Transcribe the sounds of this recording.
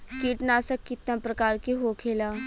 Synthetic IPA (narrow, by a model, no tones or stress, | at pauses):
kiːʈnaːsɐkːit̪ːãpɾəkaːɾkiɦoːkʰeːlaː